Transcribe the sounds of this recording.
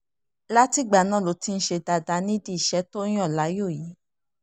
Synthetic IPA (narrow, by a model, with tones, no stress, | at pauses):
la˦ti˦ɡ͡ba˨nã˦˨lo˨˦ti˧n̩˦ʃe˧da˨˧da˧˦nĩ˦di˦i˦˨ʃɛ˦to˦j̃ɔ̃˦˨la˨˦jo˦˨ji˨˦